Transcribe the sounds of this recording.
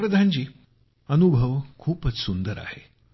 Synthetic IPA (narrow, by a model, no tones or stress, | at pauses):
ɾəd̪ʱaɲt͡ɕiː | ənubʱəʋkʰuːpət͡ssund̪əɾa̰he